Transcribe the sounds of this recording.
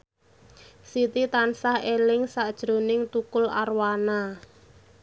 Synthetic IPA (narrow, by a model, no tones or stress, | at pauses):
sit̪it̪ansahelɪŋsaʔd̥ʒ̥ɾo̤nɪŋt̪ukʊla̰rwana